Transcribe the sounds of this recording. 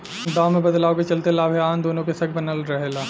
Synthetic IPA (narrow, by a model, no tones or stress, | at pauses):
d̪ãːmẽbɐd̪laːoket͡ʃɐlt̪elaːbʱaːnd̪oːnõkesɐkʰbɐnəlɾɐɦelaː